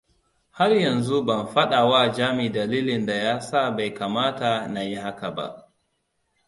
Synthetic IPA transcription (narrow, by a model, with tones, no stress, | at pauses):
ha˦ɾjɐ˨nzu˦ba˨nɸa˦ɗa˨waː˦˨d͡ʒaː˦mi˨da˨liː˦lɪ˨nda˨jaː˦sa˦ba˨jka˨maː˦ta˨na˨ji˦ha˦ka˨ba̰˨ʔ